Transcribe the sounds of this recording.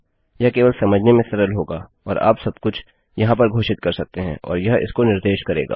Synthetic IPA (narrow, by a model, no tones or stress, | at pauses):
jɐɦkeːʋəlsɐməd͡ʒʱnemẽsɐɾəlɦoːɡaː | ɔːɾa̰ːpsɐbkʊt͡ʃʰ | jɐɦãp̬ɐɾɡʱoːʃɪt̪kɐɾsɐk̚t̪eɦɛ̰̃ʔɔ̰ːɾjɐɦɪ̰skonɪɾd̪eːʃkɐɾḛːɡa̰ː